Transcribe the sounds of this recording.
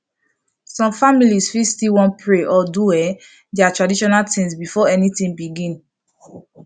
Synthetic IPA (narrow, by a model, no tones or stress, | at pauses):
sɔ̃mfamilisfistiwɔ̃npʰɹeʔɔduwɛ | dɛatɹadiʃɔnaltĩnsbifɔɛnitĩŋbiɡĩn